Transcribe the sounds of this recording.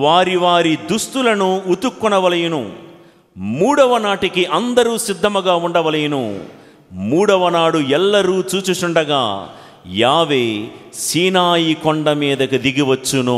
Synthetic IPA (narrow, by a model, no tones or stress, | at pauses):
ʋaːɾiʋaːɾid̪ust̪ulɐnuut̪ukːunɐʋɐlɐjɐnu | muːɽɐʋɐnaːʈikiʔɐnd̪ɐɾuːsid̪ʱːɐmuɡaːuɳɖɐʋɐlɐjɐnṵ | muːɽɐʋɐnaːɽuɛlːɐɾuːt͡ʃuːt͡ʃut͡ʃuɳɖɐɡa̰ː | jaːʋeːsiːnaːjikɔɳɖɐmiːd̪ɐkid̪iɡiʋɐt͡ʃːunu